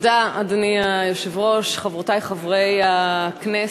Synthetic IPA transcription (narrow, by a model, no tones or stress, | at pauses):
daadaniajoʃevʁo̞ʃχavʁotajχavʁejakne